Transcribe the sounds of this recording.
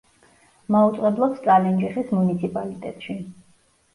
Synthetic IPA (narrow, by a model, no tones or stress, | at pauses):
maut̪sʼɛblˠɔpst̪ʼalɛnd͡ʒiχismunit̪sʰipʼalit̪ʼɛ̰t̪ʼʃi